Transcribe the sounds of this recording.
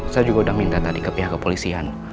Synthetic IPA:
sajad͡ʒuɡaudaŋmint̪at̪adikəpiɦakːəpolisian

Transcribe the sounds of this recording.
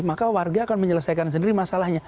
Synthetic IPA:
makawarɡaːkanməɲələsajkans̬əndiɾimasalahɲa

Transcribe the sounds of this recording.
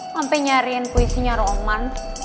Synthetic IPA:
ampɛɲaɾiənpoisiɲaɾɔɔman

